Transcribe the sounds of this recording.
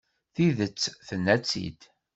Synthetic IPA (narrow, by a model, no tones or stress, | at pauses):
θiðət͡sːθənːæt͡sːḭd̪